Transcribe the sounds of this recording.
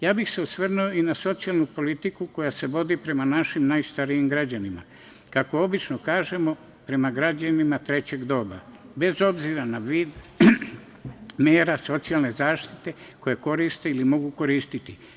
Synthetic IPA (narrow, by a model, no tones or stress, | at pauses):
jaːbixse̞usʋr̩nujo̞inaso̞t̪sialˠnupo̞lit̪ikuko̞jase̞ʋo̞d̪ipɾe̞manaʃimnajst̪aɾijimɡɾad͡ʑanima̰ | kako̞o̞bit͡ʃnokaːʒe̞mo̞ | pɾe̞maɡɾad͡ʑanimat̪ɾe̞t͡ɕe̞ɡd̪o̞ːba̰be̞zo̞bziɾanaʋiːd̪ | meːɾaso̞t̪sialne̞zaːʃt̪i̥t̪e̞ko̞jeko̞ɾist̪eilimo̞ɡuko̞ɾiːst̪it̪i